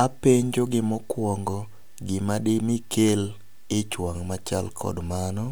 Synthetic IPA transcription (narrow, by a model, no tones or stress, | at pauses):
apeɲd͡ʒoɡɪmɔkwɔŋɡɔ | ɡɪmadɪmɪkʰel | ɪt͡ʃwaŋmat͡ʃalkʰɔ̰dmanɔ